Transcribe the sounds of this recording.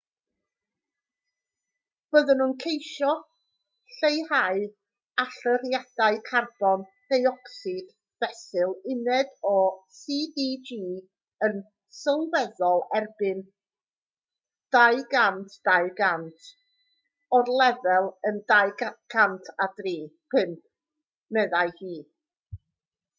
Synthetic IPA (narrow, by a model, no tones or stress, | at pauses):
b̥əðənunkʰejʃɔ | ɬejhaɨ | aɬəɾjad̥aɨkʰarb̥ɔn | d̥ejɔksɪɡ̥ | v̥ɛsɨlˠɪnɛdɔsiːdid͡ʒiː | ən | səlˠwɛðɔlˠɛrbɪn | d̥ajɡantʰd̥aɨɡantʰ | ɔrlˠɛvɛlˠəndaɨɡɡ̥antʰadriːpʰɨnp̚ʰ | mɛðaɨhiː